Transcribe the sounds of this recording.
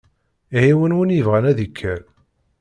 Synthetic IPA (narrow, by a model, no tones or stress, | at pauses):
ihiwənwənjəvʁænæðikʰːæl